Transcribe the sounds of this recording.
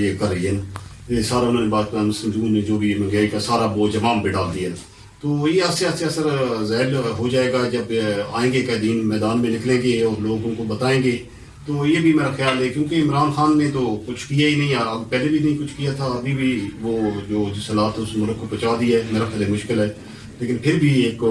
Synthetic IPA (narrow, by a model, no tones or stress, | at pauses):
jeːkɐɾːəiɦɛːnesaːɾaʊnãːnebaːt̪̚kamʊsəmd͡ʒuːnːẽd͡ʒoːbʱimə̃ɡɛːɾikasaːɾaboːd͡ʒɐʋaːmbẽɖaːld̪iɦɛn | t̪oːjeɐseɐseɐsəɾzaːɾɦod͡ʒaːeːɡad͡ʒɐbaːẽːŋɡekɛːd̪iːnmɛːd̪aːnmẽnɪklẽːŋɡeɔːɾloːɡõkobɐt̪aːẽːŋɡeː | t̪oːjeːbʱimeːɾaxjaːlɦɛːkjõːkeɪmɾaːnxaːnːet̪̬oːkʊt͡ʃʰkijainɐɦĩaɐpɛːlebʱinɐɦĩkʊt͡ʃʰkijat̪ʰaɐbʱibʱiʋoːd͡ʒoːsɐlaːt̪ʊsmʊɾəkːəbbət͡ʃaːd̪iɛːmeːɾaxaːlɦɛmʊʃkɪlɦɛː | leːkɪnpʰɪɾbʱieːk